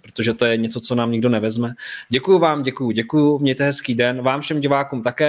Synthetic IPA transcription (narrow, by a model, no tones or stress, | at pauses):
pɾot̪o̞ʒɛt̪o̞jɛɲɛt͡so̞t͡so̞naːmɲɪɡdo̞nɛvɛzmɛɟɛkujuvaːmɟɛkujʊɟɛkujʊmɲɛjt̪ɛɦɛskiːdɛnvaːmfʃɛmɟɪvaːkuːmt̪akɛː